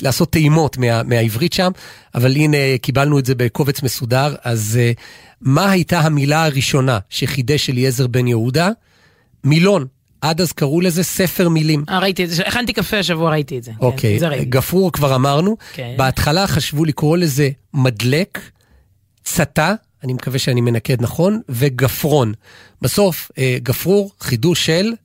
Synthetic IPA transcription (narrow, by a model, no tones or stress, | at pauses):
laːso̞t̪ːeimo̞tmeameaivʁitʃam | avalinekibalnuetze̞beko̞vet͡sme̞sudaʁaz | mahajtaɦamilaaʁiʃo̞naʃeχideʃelje̞ze̞ʁbe̞njeuda | milo̞n | ʔadazkaʁule̞ze̞se̞fe̞ʁmilimaʁait̪ieeeχant̪ikafeaʃ̬avuaʁait̪ietzeokʰejɡafʁuʁkvaʁamaʁnukbeatχalaχaʃvulikʁo̞le̞ze̞ | madle̞k | t͡sata | nimekaveʃeanime̞nake̞dnaχo̞nve̞ɡafʁo̞n | baso̞feɡafʁuʁχiduʃel